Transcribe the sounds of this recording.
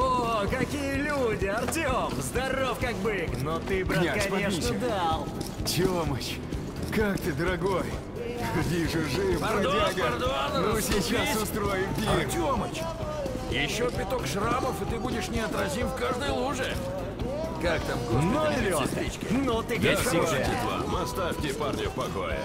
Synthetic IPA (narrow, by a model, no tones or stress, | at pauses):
okɐkʲijəlʲudʲɪɐrtʲomzd̪ɐrofkak̚bɨknot̪ɨbɾanaknʲeʂnəd̪alˠt̪ʲomət͡ɕ | kakt̪ɨd̪əɾɐɡoj | xɐdʲiʐɨʐɨɐaɡrd̪ʊannosʲɪt͡ɕːasʊst̪ɾojɪmpʲitʲomət͡ɕ | jɪɕːopʲɪt̪okʂraməfɨt̪ɨbudʲɪʂnʲɪɐt̪ɾɐzʲimfkaʐd̪əjəlˠuʐɨ | kakt̪amkonod̪lʲɪst̪ɾʲit͡ɕkʲɪnot̪ɨɡd̪aut̪ʲɪd̪vˠa̰mɐst̪afʲt̪ʲɪparnʲopɐko̰jə̰